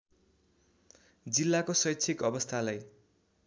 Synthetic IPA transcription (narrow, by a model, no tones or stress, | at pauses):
d͡zilːakosʌjtːsʰikʌbʌst̪ʰalaj